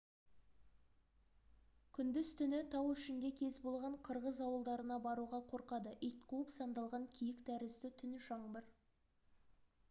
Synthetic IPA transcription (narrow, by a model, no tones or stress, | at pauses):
kʲʰʏnd̪ɪz̥t̪ʰʏnɪt̪ʰɑwɪʃɪŋd̪ʲekʲʰe̞zbo̞lˠʁɑɴqʰəɾʁəzɑwəlˠd̪ɑɾənɑbɑɾuʁɑqʰo̞ɾqɑd̪əʔijt̪̚qʰuəpsɑnd̪ɑlˠʁɑŋkʲʰijɪkd̪æɾɪst̪ɪt̪ʰʏnʃɑɴbəɾ